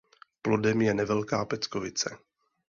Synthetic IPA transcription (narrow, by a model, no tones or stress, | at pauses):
plo̞dɛmjɛnɛvɛlkaːpɛt͡skovɪt͡sɛ